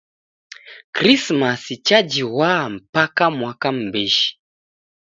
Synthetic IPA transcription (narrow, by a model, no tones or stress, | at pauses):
kɾismasit͡ʃad͡ʒiwam̩pakamwakam̩bɛʃi̥